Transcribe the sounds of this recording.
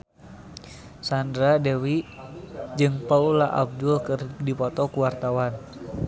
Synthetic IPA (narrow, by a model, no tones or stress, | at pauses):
sandɾadɛwi | d͡ʒɨŋpaulaʔa̰b̚dulkɨrdipɔt̪ɔkuwart̪awan